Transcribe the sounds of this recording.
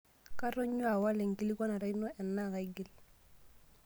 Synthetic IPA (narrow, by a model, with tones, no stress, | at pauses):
ka˦ɾɔ˦ɲu˦a˨wa˦lɛ˨ŋ˨ki˦li˦ka˦na˨ɾa˦i˦nɔ˦ʔɛ˨nːa˦˨ka˨i˦ɡi˦l